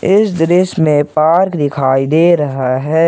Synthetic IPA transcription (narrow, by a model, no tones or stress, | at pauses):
ɪsd̪ɾɪsmẽpaːɾkd̪ɪkʰaːid̪eːɾɐɦaɦɛː